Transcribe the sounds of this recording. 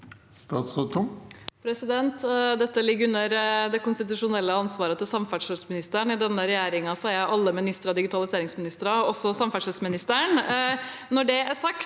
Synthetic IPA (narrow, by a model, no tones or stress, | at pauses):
st̪ɑːt̪sʁɑt̪ʊmpʰɾɛsɪd̪ɛnt̪d̪ɛt̪ːəlɪɡːʉnːəɾd̪ɛkʊnst̪ɪt̪ʉʂʊnɛlːəɑnsʋɑːɾət̪ɪlsɑmfæʈʂəsmɪnɪst̪əɳɪd̪ɛnːəɾɛjeːɾɪŋɑsɔæɾjæɪʔɑlːəmɪnɪst̪əɾɑd̪ɪɡɪt̪ɑlɪseːɾɪŋsmɪnɪst̪əɾɑɔsɔsɑmfæʂəlsmɪnɪst̪əɳ | nɔɖɛæʂɑk̪